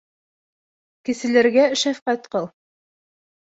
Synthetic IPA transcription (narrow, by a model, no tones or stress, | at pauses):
kɘ̆sɘ̆læɾɡæʃæfqæt̪qɤlˠ